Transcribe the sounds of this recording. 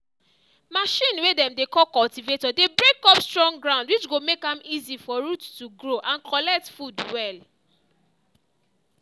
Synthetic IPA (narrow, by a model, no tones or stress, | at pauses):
maʃĩnwedɛ̃mdekɔkɔltivetɔdebɹekɔpstɹɔ̃ŋɡɹãʊ̃ndwit͡ʃɡomekãmizifɔɹuttuɡɹoʔãnkʰɔlɛk̚tfudwɛl